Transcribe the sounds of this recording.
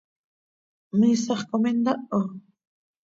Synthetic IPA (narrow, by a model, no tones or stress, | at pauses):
misɑχkomend̪aʔo